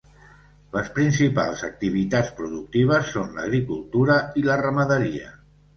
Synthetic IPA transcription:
ləspɾinsipa̰lˠzək̚t̪iβ̞it̪at͡spɾuðuk̚t̪iβ̞əsːonlə̰ɣɾikulˠt̪uɾəilərəməðəɾiə̰

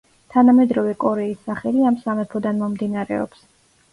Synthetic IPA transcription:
t̪ʰanamɛd̪ɾɔvɛkʼɔɾɛisːaχɛliamsamɛpʰɔd̪anmɔmd̪inaɾɛ̰ɔ̰ps

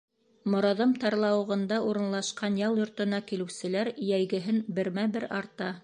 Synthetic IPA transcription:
mŏɾɑðɤmt̪ɑɾlˠɑwɤ̆ʁɤ̆nd̪ɑʔuɾɤ̆nlˠɑʃqɑnjɑlˠjŏɾt̪ɤ̆nɑkilɘ̆wsɘ̆læɾjæjɡɘ̆ɦɘnbɘ̆ɾmæbɘɾɑɾt̪ɑ

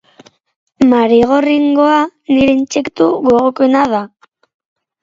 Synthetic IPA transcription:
maɾiɣoriŋɡo̞aniɾent͡ʃekt̪uɣoɣokenaða

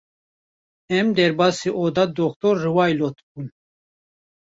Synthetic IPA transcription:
ɛmd̪ɛɾbɑːsiʔod̪ad̪ɔkt̪oɾːɨwɑːjlot̪ʰbun

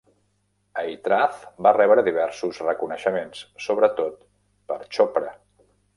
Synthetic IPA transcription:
əit̪ɾaθbarɛβɾəðiβɛɾsuzrəkunəʃəmenssoβɾət̪ot̪̚ | pəɾt͡ʃopɾə

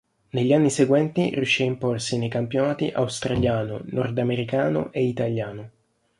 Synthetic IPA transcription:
neʎːanːiseɡwɛnt̪irjuʃːiaimporsinejkampjonaːt̪iʔawst̪ɾaʎjaːno̰nɔrd̪ameɾikaːno̰ʔeit̪aʎːaːno

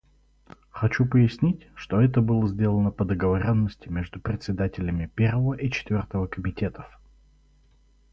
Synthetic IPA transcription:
xɐt͡ɕupəjɪsʲnʲitʲʂt̪oɛt̪əbɨlˠəzʲdʲe̞lˠənəpəd̪əɡəvɐɾʲo̞nːəsʲtʲɪmʲeʐd̪ʊpɾʲɪt̪ʲsʲɪd̪atʲɪlʲəmʲɪpʲervəvəʔit͡ɕɪ̥t̪vʲo̞rt̪əvəkəmʲɪtʲe̞t̪əf

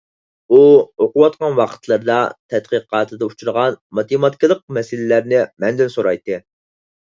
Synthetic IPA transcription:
uoqʊwɑt̪̚qɑnwɑqʰə̥t̪ʰlˠəɾd̪ɑt̪ʰɛt̪̚qəqʰɑːt̪ʰɨd̪ɑut͡ʃʰuɾʁɑnmɑt̪emɑt̪̚kʲɪlˠəq̚mɛsɪlɪlæɾnɪmɛnd̪ɪnsoɾɑjt̪ːɨ

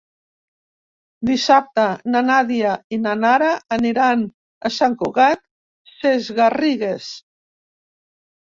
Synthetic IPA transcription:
d̪isap̚t̪ananaðiainanaɾaːniɾan | asaŋkuɣat̪̚ | sezɣariɣes

